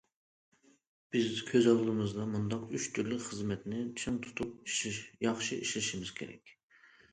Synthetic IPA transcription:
b̥ɪzkʲʰøzɑlˠlˠɨmɨzd̪ɑmund̪ɑqyʃt̪ʰyɾlɪkʲχəzmɛt̪nɪt͡ʃʰɨŋt̪ʰu̥t̪ʰup̚jɑχʃiʔiʃlɪʃimɪz̥kʲʰḛɾɛ̰kʲ

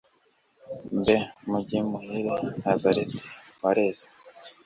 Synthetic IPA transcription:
mbemuɟimuhiɾenazaɾetʰe̥ | βaɾeːze̥

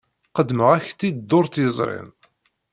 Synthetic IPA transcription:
qəd̪ːməʁæçt̪ːid̪d̪ːoɾˤt̪jəzˤɾˤɪ̰n

